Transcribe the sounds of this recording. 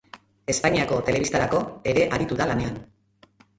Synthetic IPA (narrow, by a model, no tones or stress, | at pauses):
e̞spaɲiako̞t̪e̞le̞βist̪aɾako̞e̞ɾe̞ʔaɾit̪uðalane̞an